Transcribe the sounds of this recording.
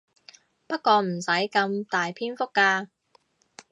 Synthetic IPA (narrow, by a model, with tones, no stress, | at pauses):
pɐ˥t̚kɔː˧m̩˨˩sɐ˨˥jkɐ˧mt̪aː˨jpʰiː˥nfʊ˥kːaː˧